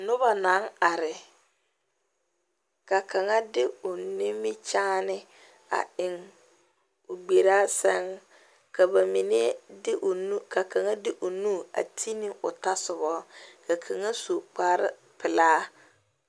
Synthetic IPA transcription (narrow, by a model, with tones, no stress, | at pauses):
nʊ˦ba˨na˨˦ŋa˨ɾɪ˨ | ka˨ka˨ŋa˦dɪ˦ʊ˨nɪ˦mɪ˦t͡ʃaː˦nɪ˦ | a̰˨ɪ˨ŋ | ʊ˨ɡ͡be˨ɾaː˦sɛ˦ŋ | ka˨ba˨mi˨ne˦dɪ˦ʔnu˦ka˨ka˨ŋa˦dɪ˦ʔʊ˨nu˦˨a̰˨tʰi˦nɪ˦ʊ˨ta˦sʊ˨βɔ˦ka˨kʰa˨ŋa˦so˨k͡paː˦ɾɪ̰˦ | pɪ˨laː˦